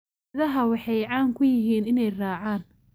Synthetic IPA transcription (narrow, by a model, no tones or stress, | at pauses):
ðɐɦɐwɑħɑjʕɑːŋkʰʊjɪɦiːnɪnɛjraːʕaːn